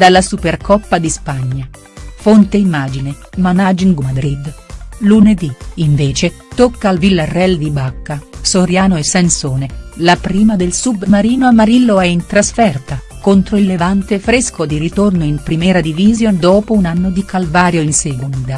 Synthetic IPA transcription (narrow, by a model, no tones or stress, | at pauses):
d̪alːasuperkɔpːad̪ispaɲːa | font̪eimːaːd͡ʒine | manad͡ʒiŋɡmad̪ɾid̪luned̪iiɱveːt͡ʃe | t̪okːaːlvilːarːɛld̪ibakːasoɾjaːnoesːansoːnelapɾiːmad̪elsubmaɾiːnoamːaɾilːoɛint̪ɾasfɛrt̪a | kont̪ɾoilːevant̪efɾeskod̪iɾit̪ornoimpɾimɛːɾad̪ivizjond̪oːpounanːod̪ikalvaːɾjoinseɡund̪a